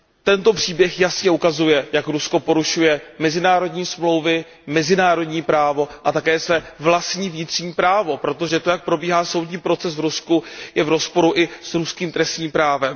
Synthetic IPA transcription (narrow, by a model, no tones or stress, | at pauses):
t̪ɛnt̪o̞pr̝̥iːbjɛxjasɲɛʔukazujɛjakɾusko̞po̞ɾuʃujɛmɛzɪnaːɾo̞dɲiːsmlo̞wvɪ | mɛzɪnaːɾo̞dɲiːpɾaːvo̞ʔat̪akɛːsvɛːvlast̪ɲiːvɲɪt̪r̝̥ɲiːpɾaːvo̞pɾo̞t̪o̞ʒɛt̪o̞jak̚pɾo̞biːɦaːso̞wd̪ɲiːpɾo̞t͡sɛsvɾuskujɛvɾo̞spo̞ɾuʔɪsɾuskiːmt̪ɾɛst̪ɲiːmpɾaːvɛm